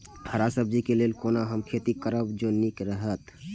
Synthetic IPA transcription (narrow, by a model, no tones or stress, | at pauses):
ɖʰʱəɾasəb̚d͡ʒikelelkonaɦəmkʰet̪ikəɾəbd͡ʒonikɾəɦət̪